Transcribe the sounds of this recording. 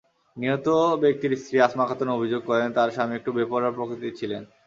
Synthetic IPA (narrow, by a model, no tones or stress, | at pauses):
niot̪obek̚t̪iɾst̪ɾiasmakʰat̪onobʱid͡ʑoɡ̚kɔɾent̪aɾʃameek̚ʈubepoɾaɾpɾokɾit̪it͡ɕʰilen